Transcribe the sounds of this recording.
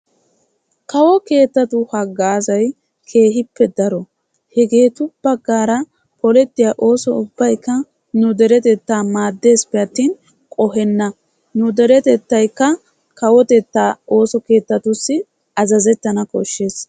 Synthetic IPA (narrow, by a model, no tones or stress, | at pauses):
kɐwɔke̞ːt̪ːɐt̪ʊhɐɡːaːzɐj | kʰe̞ːɦɪpːɛd̪ɐɾɔ | hɛɡe̞ːt̪ʊb̥ɐɡːaːɾɐ | pɔlɛt̪ːɪjaːʔo̞ːsɔʊbːɐjkːɐ | nʊd̪ɛɾɛt̪ɛt̪ːaːmaːd̪ːe̞ːspɛɐt̪ːiːn | kʼɔɦɛnːɐ | nʊd̪ɛɾɛt̪ɛt̪ːɐjkːɐ | kɐwɔt̪ɛt̪ːaːo̞ːsɔke̞ːt̪ːɐt̪ʊsːɪ | ɐzɐzɛt̪ːɐnɐkʼɔʃːe̞ːs